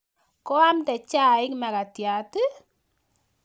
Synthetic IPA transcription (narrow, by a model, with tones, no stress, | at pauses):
kɔ˦a˦mtɛ˨t͡ʃa˦˨ɪ˦kma˨ka˨tja˨tɨ˦